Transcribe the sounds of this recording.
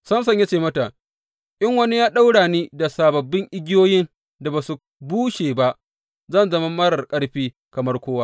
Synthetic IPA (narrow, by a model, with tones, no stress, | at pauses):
sɐ˦ms̬ɐ˦ɲja˦t͡ʃeː˦˨mɐ˦ta˨ | ʔɪ˦ŋwɐ˦ni˦jaː˦ɗa˦wɽaː˨niː˦da˨saː˨bɐ˨bːɪ˦ŋʔɪ˦ɡʲɪ˦joː˦jɪ˦n | da˨baː˨su˨ | buː˦ʃeː˨ba˦ʔ | zɐ˦˨nzɐ˦ma˦mɐ˦ɽɐ˨rkʼɐ˦ɽɸiː˦ | kɐ˨mɐ˦rkʷoː˦wa˦